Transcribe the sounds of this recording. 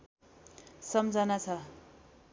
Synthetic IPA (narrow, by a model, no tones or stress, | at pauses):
sʌmd͡zʌnat͡sʰʌ